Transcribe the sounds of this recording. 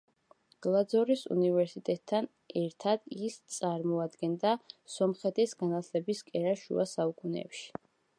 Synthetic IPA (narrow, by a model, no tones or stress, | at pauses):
ɡ̥lˠad̪zɔɾisṵnivɛɾsit̪ʼɛt̪ʼʰːan | ɛɾt̪ʰad̪ist̪sʼaɾmɔad̪ɡɛnd̪asɔmχɛt̪ʰʼisɡanat̪ʰlɛbiskʼɛɾaʃṵasaukʼunɛ̰pʃi̥